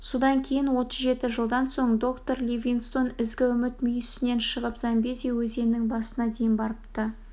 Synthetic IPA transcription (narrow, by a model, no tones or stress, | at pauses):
sod̪ɑŋkʲʰe̞jɪnwo̞t̪əzʒe̞t̪ɪʒəlˠd̪ɑnso̞ɴd̪o̞kt̪o̞ɾlʲivʲinst̪o̞nɪzɡʲɪʏmɪt̪mʏjsɪne̞nʃəʁəpzɑmbezewɵze̞nnɪŋbɑsənɑd̪ejɪnbɑɾəpt̪ə